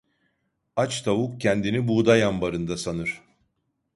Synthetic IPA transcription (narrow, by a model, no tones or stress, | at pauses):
at͡ʃt̪ʰavuk̚cʰɛnd̪inibud̪ajambaɾɯnd̪asanɯɾ̥